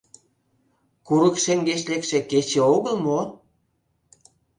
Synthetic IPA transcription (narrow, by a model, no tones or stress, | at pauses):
kuɾə̆kʃeŋɡeʃlekʃĕket͡ɕĕoɣəlmo